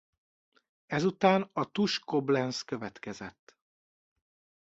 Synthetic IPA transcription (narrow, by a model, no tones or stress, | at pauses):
ɛzut̪aːnɒt̪uʃko̞blɛnskøvɛt̪kɛzɛt̪ː